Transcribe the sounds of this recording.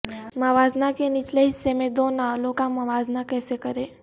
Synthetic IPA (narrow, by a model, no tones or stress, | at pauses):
məʋaːznakenɪt͡ʃleɦɪsːemẽd̪oːnaːlõkamɐʋaːznakɛːsekɐɾẽː